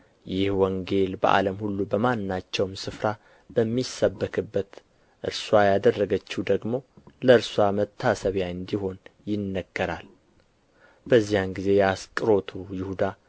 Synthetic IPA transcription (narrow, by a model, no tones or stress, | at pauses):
jɪhwɔŋɡe̞lbə̰ʔa̰ləmhulːubəmanːat͡ʃːɛwmsɨfɾa | b̥əmːisːəbːəkʰʼɨbːət̪ | ʔɨ̰ɾswajad̪ərːəɡət͡ʃːud̪əɡmo̞ləɨɾswamət̪ʰːasəβjaɨnd̪iho̞njɪnːəɡːəɾal | b̥əzːijanɡize̞jɛaskʼɨɾo̞t̪ʰujɪhud̪a